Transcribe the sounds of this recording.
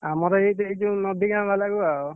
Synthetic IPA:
amɔɾɔet̪eid͡ʒunɔd̪ʱikãbʱalaɡuao

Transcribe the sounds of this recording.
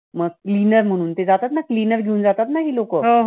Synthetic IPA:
məɡ̚klinəɾm̤əɽ̃uːnt̪ed͡zat̪at̪naklinəɾɡʱeuːnd͡zat̪at̪naɦiːlokəːɦoɦ

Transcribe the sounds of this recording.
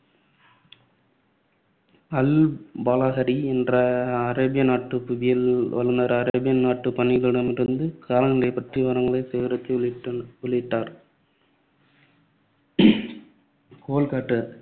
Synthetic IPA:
ɐlbaːlaːɣɐɾiɛndrɐːɾɐbɪjɐnaːʈːɯpbɪjɐlʋɐ̰lɯnd̪aːɾɐɾɐɐbɪjɐnnaːʈːɯpɐnːɪɣɐɭɪɽɐmɪɾɯnd̪ɯkʰaːɾɐnɪlɐɪpːɐʈriʋɐɾɐŋɡɐɭɐɪseʋɪɾɐk̪ːɯɔɭɪʈːaːɾ | koːlkaːʈːɐ

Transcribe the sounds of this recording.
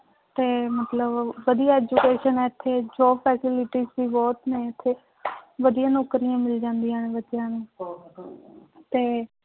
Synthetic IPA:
t̪eːmət̪ləbʋəd̪ijaːɛːd͡ʒukeːʃənɛːɪt̪ʰːeːd͡ʒɔːpʰɛːsɪlɪʈiːzbiːbɔːt̪nẽːɪt̪ʰːeː | ʋəd̪ijãːnɔːkːɾijãːmɪld͡ʒãːnd̪ijãːnẽːbətjãːnũː | t̪eː

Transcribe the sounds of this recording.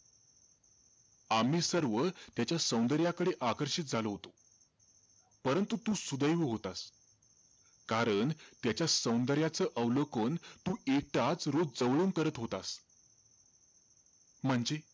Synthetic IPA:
am̤iːsəɾʋət̪jat͡ɕjasə̃w̃nd̪əɾjakəɽeʔakəɾɕiːt̪̚d͡zʱaloɦot̪o | pəɾənt̪ut̪uːsud̪əjʋəɦot̪as | kaɾəɳt̪jat͡ɕjasə̃w̃nd̪əɾjat͡səːʔəʋlokənt̪uːek̚ʈat͡sɾod͡zd͡zəʋɭuːnkəɾət̪ɦot̪as | m̤əɳd͡ze

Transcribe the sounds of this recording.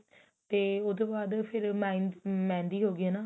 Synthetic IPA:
t̪eːʊd̪õːbaːd̪pʰɪɾmaːnmɛ̃ːnd̪iːɦoːɡɪaːnãː

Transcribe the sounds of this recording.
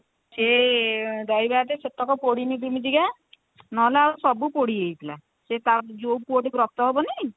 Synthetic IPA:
se | d̪ɔjbat̪eset̪ɔkɔpoɽinid̪imid͡ʒ̪iɡa | nɔlaausɔbupoɽiejt̪ʰila | set̪ad͡ʒowpoʈikɾɔk̚t̪ɔɦebɔni

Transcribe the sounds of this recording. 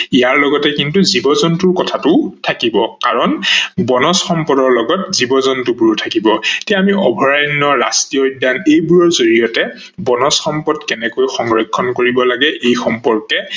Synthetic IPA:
ijaɹlɔɡɔtɛkintuzibɔzɔntʊɹkɔtʰatʊtʰakibɔkaɹɔnbɔnɔsxɔmpɔdɔɹlɔɡɔtzibɔzɔntʊbuɹtʰakibɔetiaamiʔɔbʱɔɹajnːɔɹa̰stiɔjdːanejbuɹɔɹzoɹijɔtɛ | bɔnɔsxɔmpɔdkɛnɛkojxɔŋɹɔkʰːɔnkoɹibɔlaɡɛʔejxɔmpɔɹkɛ

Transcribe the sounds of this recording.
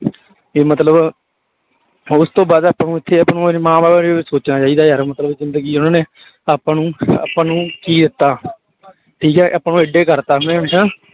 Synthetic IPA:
eːmət̪ləb | ʊst̪õːbaːd̪aːpãːnũːɪt̪ʰːeːapnũːmãːbaːbaːesoːt͡ʃnaːt͡ʃaːiːd̪aːəɾmət̪ləbzɪnd̪əɡiːnãːneː | aːpːãːnũːa̰ːpːãːnũːkiːd̪ɪt̪ːaː | ʈʰiːkɛːʔaːpːãːnũːɪɖeːkəɾt̪aːɦneːsãː

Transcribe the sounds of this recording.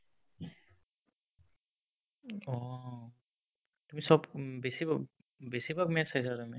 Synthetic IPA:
ɔ | tumisɔbbesiba | besibakmɛatsajsatumi

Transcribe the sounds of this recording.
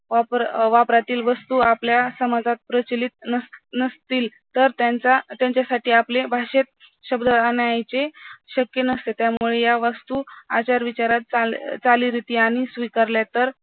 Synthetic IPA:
ʋapɾʋapɾat̪iːlʋəst̪uapljasəmad͡zʱat̪̚pɾət͡ɕlit̪̚nəsnəst̪iːl | t̪əɾt̪at͡sat̪jãɲt͡ɕjasaʈiːaplebʱaɕet̪̚ | ɕəbd̪əanjajt͡seɕəkjənəst̪et̪jamuɭejaʋəst̪uat͡ɕaɾʋit͡ɕaɾat̪̚t͡sat͡saliɾit̪iːaɽ̃isʋikaɾljat̪əɾ

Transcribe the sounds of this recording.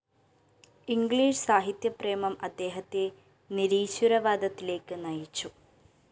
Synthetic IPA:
iŋɡɭiːʂsaːɦit̪jɐpre̞ːmɐmɐd̪ːe̞ːɦɐt̪ːe | niɾiːɕuɾɐʋaːd̪ʱɐt̪ːile̞ːkːɨnɐjit͡ɕːu

